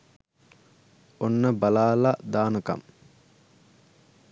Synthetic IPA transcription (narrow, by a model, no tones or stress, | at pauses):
onːəbalaːlad̪aːnəka̰m